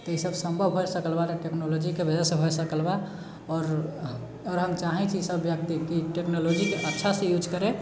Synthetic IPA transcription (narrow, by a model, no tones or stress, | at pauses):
t̪ɔisəbsəmbʱəbʱɦojsəkəlbat̪ʈeknolod͡ʒikebəd͡ʒasẽbʱosəkəlba | ɔːɾ | ɔːɾɦəmt͡ʃaɦɛ̃t͡ʃʰiisəbːjək̚t̪ikiʈeknolod͡ʒikeʔətːʃʰasẽjud͡ʒkəɾe